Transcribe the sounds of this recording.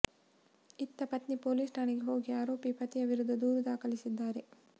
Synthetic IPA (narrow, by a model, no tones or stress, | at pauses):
it̪ːɐpɐt̪nipoːlisʈʰaːɳiɡeɦo̞ːɡiaːɾo̞ːpipɐt̪ijɐʋiɾud̪ːɐd̪uːɾud̪aːkɐlisid̪ːaːɾe̞